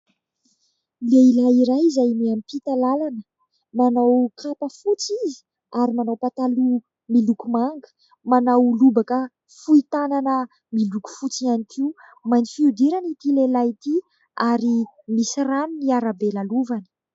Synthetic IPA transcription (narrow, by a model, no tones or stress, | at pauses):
leilaiɾajizajneampit̪alalanə | manawkʰapəfut͡sizi̥ | aɾimanawpat̪alu | milukumaŋɡə̥ | manawlubakə | fuit̪ananə | miluku̥fut͡sianikʰiu | majnifiud̪iɾanit̪ilelajt̪i | aɾi | misiranuniaɾabelaluvanə̥